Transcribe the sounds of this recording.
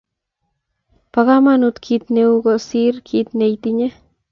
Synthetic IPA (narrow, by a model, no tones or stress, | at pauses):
pakamanut̪kʰit̪neuɡosiɾkʰit̪̚nejt̪iɲa